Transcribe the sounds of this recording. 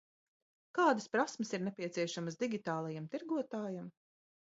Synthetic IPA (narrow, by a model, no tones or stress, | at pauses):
kaːd̪əspɾasməsiɾnepʲiɛt̪siɛʃaməsd̪iɡʲit̪aːlˠajamt̪iɾɡuɔt̪aːjam